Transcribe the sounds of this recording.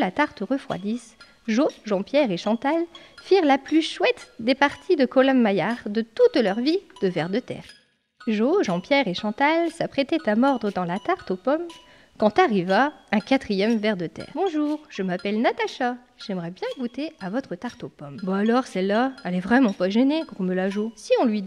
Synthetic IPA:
lat̪aʁt̪ʁəfχwa̰d̪is | ʒoʒɑ̃pjɛʁeʃɑ̃t̪alfiʁlaplyʃwɛt̪d̪epaʁt̪ʰid̪əkɔlamːajaʁd̪ət̪ut̪lœʁvid̪̥əvɛʁd̪ət̪ɛ̰ːʁ | ʒoʒɑ̃pjɛʁeʃɑ̃t̪alsapχet̪ɛt̪amɔʁd̪ʁəd̪ɑ̃lat̪aʁt̪opɔm | kɑ̃t̪aʁivaɛ̃kat̪χijɛmvɛʁd̪ət̪ɛ̰ːʁbɔ̃ʒuːʁʒ̥əmapɛlnat̪aʃa | ʒ̥ɛmʁɛbjɛ̃ɡut̪eavɔt̪χət̪aʁt̪opɔmbaalɔʁsɛlːaɛlɛvʁɛmɑ̃paʒɛneɡʁuməlaʒosiɔ̃lɥi

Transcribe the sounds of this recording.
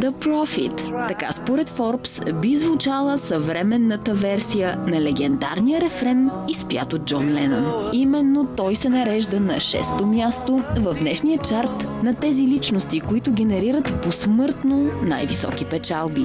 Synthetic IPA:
d̪əpɾɔfḭt̪ːɐka̰spoɾɛt̪fɔɾpsbizvut͡ʃalˠəsɐvɾɛmɛnːət̪əvɛɾsijənɐlɛɡɛnd̪a̰ɾnijəɾɛfɾɛnispja̰t̪od͡ʒɔnlɛnɐnimɛnːot̪ɔjsɛnɐɾɛʒd̪ənɐʃɛ̰st̪omjast̪ovɐvd̪nɛʃniət͡ʃaɾt̪nɐt̪ɛzilit͡ʃnost̪ikoit̪ʊɡʲɛnɛɾiɾət̪posmɤɾt̪nona̰jvisɔ̰k̟ipɛt͡ʃalˠbi

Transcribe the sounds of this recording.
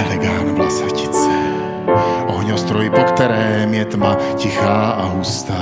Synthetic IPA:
ɛlɛɡaːlnuvlasaci̥t͡sɛ | ʔɔɦɲɔst̪ɾɔjipɔkt̪ɛɾɛːmjɛt̪macixaːaɦust̪aː

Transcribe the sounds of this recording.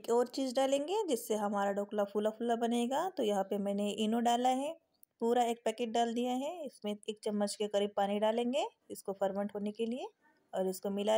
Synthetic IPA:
eːkɔːɾt͡ʃiːzɖaːlẽːŋɡed͡ʒɪsːeɦɐmaːɾaɖoːklafulafuːlabɐneːɡaːt̪ojɐɦãpemɛ̃ːneʔiːnoɖaːlaɦɛ | puːɾaeːk̚pɛːkeːʈ̚ɖaːld̪ijaɦɛɪsmẽeːk̚t͡ʃɐmːət͡ʃkekɐɾiːb̚paːniɖaːlẽːŋɡe | ɪskopʰɐɾmə̃ɳʈɦoːnekelie | ɔːɾɪskomɪla

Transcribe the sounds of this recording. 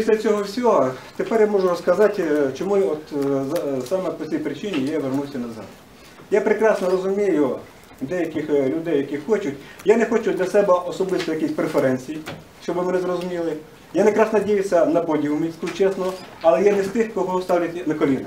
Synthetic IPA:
pʲisʲlʲɐt͡sʲɔɦɔwsʲɔɦɔt̪epɛrjamɔʐʊrɔskɐzɑtʲt͡ʃɔmujɔt̪zsɑmɛpɔt͡sʲijpɾɪt͡ʃɪnʲijaʋernusʲɐnɐzɑ̰t̪ | japɾekɾɑsnɔɾɔzʊmʲijʊ | d̪ɛjɐkɪxlʲʊd̪ɛjːɐkixɔt͡ʃʊtʲjanexɔt͡ʃʊd̪lʲɐsɛbɛʔɔsɔbɪst̪ɔjɐkʲisʲpɾefeɾɛnʲt͡sʲiji | ʃt͡ʃɔbɪmenɪzrɔzʊmʲilˠɪ | janekɾɑsnɐdʲijɪsʲːɐnɐpɔdʲiɦʊmʲisʲkʊt͡ʃɛsnɔɐlˠɛjɛnɛst̪ɪxkɔɦɔɔst̪ɑwlʲɐt̪ʲnɐkɔlʲinɪ

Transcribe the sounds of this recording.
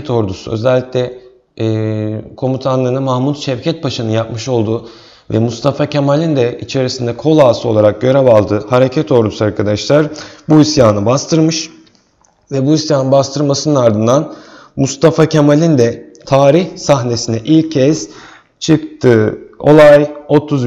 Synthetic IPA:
t̪ʰo̞ɾd̪usṵø̞̰zɛlʲːicʲlʲɛː | kʰo̞mut̪ʰanˠɯnɯmahmut̪ʃɛvcʰɛt̪̚paʃɯnɯjapmɯʃo̞lˠd̪u | vɛ̰must̪ʰafacʰemalʲind̪ɛit͡ʃʰe̞ɾisind̪ɛkʰo̞lˠaːsɯo̞lˠaɾak̚ɟø̞ɾɛbalˠd̪ɯhaɾecʰɛt̪ʰo̞ɾd̪usuaɾkʰad̪aʃlˠaɾbuisjaːnɯbast̪ʰɯɾmɯʃ | vɛbuisjaːnɯnbast̪ʰɯɾˠmasɯnɯnaɾd̪ɯnd̪an | must̪ʰafacʰemalʲind̪ɛ | t̪ʰaːɾiçsaɦne̞sinɛʔilʲʰːɛz̥ | t͡ʃʰɯk̚t̪ʰɯːo̞lˠajo̞t̪ʰuz

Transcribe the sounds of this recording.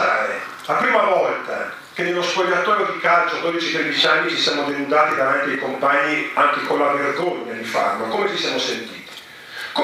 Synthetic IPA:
aːɾḛ | lapɾiːmavɔlt̪a̰ | k̟enːelːoskoʎːat̪oːɾjod̪ikalt͡ʃod̪oːd̪it͡ʃit̪ɾed̪it͡ʃanːisi̥sjaːmod̪enund̪aːt̪id̪avant̪iaikompaɲːiaŋk̟ekonlaverɡoɲːad̪ifa̰rlokomet͡ʃisjamosent̪iːt̪i̥ | ko

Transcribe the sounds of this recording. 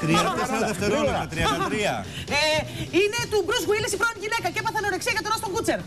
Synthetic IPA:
t̪ɾiɐt̪eseɾɐðeft̪eɾoɐt̪ɾiɐɐt̪ɾiɐeine̞t̪ubɾuzɣwilesifɾoniʝinekɐceepɐθɐneo̞ɾeksiɐʝɐt̪oɾɐst̪oŋɡut͡seɾ

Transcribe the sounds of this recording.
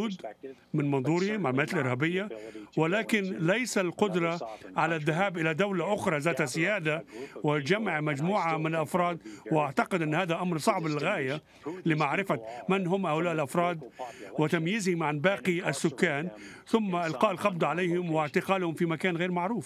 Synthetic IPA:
uːd̪mɪnmɑnðˤuːɾɪhɪmʔalmaːt̪ɪlʔɪɾhaːbɪjːawɪlaːkɪnlajsalqʊd̪ɾˤɑʕalaðːaɦaːbʔɪlad̪awlaʔʊxɾˤɑzaːt̪asɪjaːd̪awɪd͡ʒamːaʕmad͡ʒmuːʕamɪnɪlʔɑfɾˤɑːd̪wɪʔaʕt̪aqɪd̪ʔɪnːhaːðaʔamɾsˤɑʕblɪlɣaːja | lɪmaʕɾɪfamɪnɦʊmːʔawlaːʔɪlʔɑfɾˤɑːd̪wɪt̪amjɪzhɪmʕanbaːqiasːʊkːaːnθʊmːaʔɪlqɑːʔɪlqɑbd̪ʕalejhɪmwɪʕt̪ɪqɑːlhʊmfimakaːnɣeːɾmaʕɾuːf

